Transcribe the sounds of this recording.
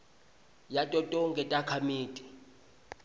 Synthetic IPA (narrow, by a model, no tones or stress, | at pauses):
jatʼɔtʼɔŋɡʱʼɛtʼakʰamiːtʼi